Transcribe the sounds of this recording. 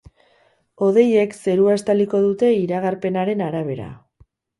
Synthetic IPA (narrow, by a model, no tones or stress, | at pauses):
o̞ð̞e̞je̞kse̞ɾuast̪aliko̞ðut̪e̞iɾaɣ̞aɾpe̞naɾe̞naɾaβ̞e̞ɾa̰